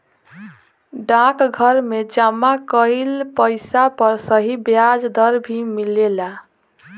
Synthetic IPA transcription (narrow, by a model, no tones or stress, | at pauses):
ɖãkɡʱʌɾmed͡ʒamakəjlpəɪsapəɾsəɦibjad͡ʒd̪əɾbʱimilela